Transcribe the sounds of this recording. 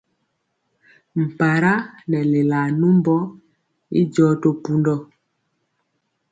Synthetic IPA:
m̩˨pa˨ɾa˦nɛ˨le˨la˨nu˦mbɔ˦ | ḭ˦d͡ʒɔː˦to˨pu˦ndɔ˦

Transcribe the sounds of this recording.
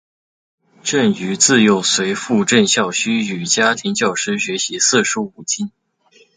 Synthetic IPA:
ʈ͡ʂə˥˩ny˧˥t͡sɹ̩˥˩jo˧˥ʊswe˧˥ɪfu˥˧ʈ͡ʂə˥˧nɕjɑ˥˩ʊɕy˥y˨˩t͡ɕja˥t̪ʰi˧˥ŋt͡ɕjɑ˥˩ʊʂɻ̩˥ɕɥɛ˧˥ɕi˧˥sɹ̩˥˩ʂu˥u˨˩t͡ɕʰi˥n

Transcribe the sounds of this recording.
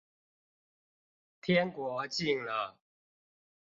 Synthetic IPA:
t̪ʰjɛ˦nkwɔ˨˥˦t͡ɕi˥˨˩ŋlə˨ | t

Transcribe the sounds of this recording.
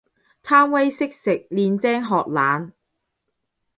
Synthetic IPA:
t̪ʰaː˥mwɐ˥jsɪ˥k̚sɪ˨k̚liː˧nt͡sɛː˥ŋɦɔː˨k̚laː˨˧n

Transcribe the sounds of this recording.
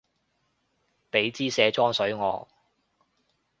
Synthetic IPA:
pe˨˥jt͡siː˥sɛː˨˥t͡ʃɔː˥ŋsɵ˨˥ɥŋɔ̰ː˨˧

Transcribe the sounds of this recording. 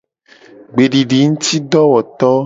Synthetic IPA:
ɡ͡be˨ɖi˨ɖi˨ŋũ˦t̪i˦ɖɔ˦wɔ˨t̪ɔ˦

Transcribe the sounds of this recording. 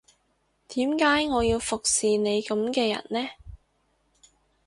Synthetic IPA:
t̪iː˨˥mkaː˨˥jŋɔː˨˧jiː˧wfʊ˨k̚siː˨ne˨˧jkɐ˨˧˥mkɛː˧jɐ̰˨˩nlɛː˥

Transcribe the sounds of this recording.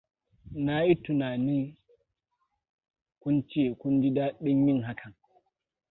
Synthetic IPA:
na˦ji˦tʊ˨naː˨niː˦ | kʷʊ˦nt͡ʃe˦˨kʷʊ˦ndi˦daː˦ɗɪ˦ɲji˦ŋɦa˦kʰa˨ŋ

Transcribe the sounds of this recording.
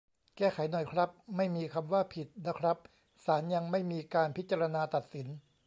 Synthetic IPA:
kɛː˥˩kʰa˨˩˦jnɔ˨˩jkʰɾa˦˥p̚ma˥˩jmiː˧kʰa˧mwaː˥˩pʰi˨˩t̪̚na˦˥kʰɾa˦˥p̚ | saː˩˦nja˧ŋma˥˩jmiː˧kaː˧npʰi˦˥t̪̚t͡ɕa˧ɾa˧naː˧t̪a˨˩t̪̚si˩˦n

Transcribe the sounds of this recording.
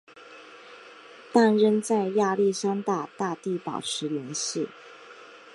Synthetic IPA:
t̪a˥˩nɻə˥nt͡sa˥˧ɪja˥˧li˥˩ʂɑ˥ŋt̪a˥˧t̪a˥˧t̪i˥˩pɑ̰˨˩ʊʈ͡ʂʰɻ̩˧˥li˧˥nɕi˥˩

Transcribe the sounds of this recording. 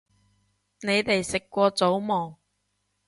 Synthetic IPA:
ne˨˧jt̪e˨jsɪ˨kːʷɔː˧t͡so˨˥wmɔː˨˩ŋ

